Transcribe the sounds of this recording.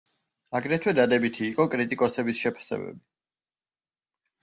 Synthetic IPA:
aɡɾɛt̪ʰwɛd̪ad̪ɛbit̪ʰiːqʼɔkʼɾit̪ʼikʼɔsɛbisʃɛpʰḁsɛ̰bɛ̰bi

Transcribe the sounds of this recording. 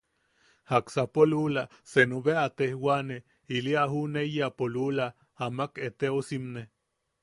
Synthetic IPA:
haksapolula | senuβeat̪ehwane | iliaɦunejapolula | amaket̪eosimne

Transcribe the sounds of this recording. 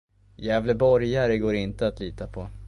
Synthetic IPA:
jɛːvləbɔɾjaɾəɡoːɾɪnt̪əat̪liːt̪apʰɔ

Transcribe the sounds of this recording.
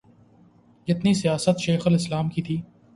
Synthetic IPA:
d͡ʒɪt̪nisijaːsət̪ʃeːxəlɪslaːmkit̪ʰiː

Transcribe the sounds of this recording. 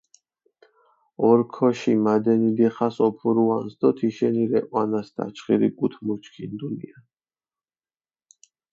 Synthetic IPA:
ɔɾkʰɔʃimad̪ɛnid̪ɛχasɔpʰuɾuansd̪ɔt̪ʰiʃɛniɾɛqʼwanasd̪ʰa̰t͡ʃʰχiɾḭɡut̪ʰmuɾt͡ʃʰkʰind̪ulia

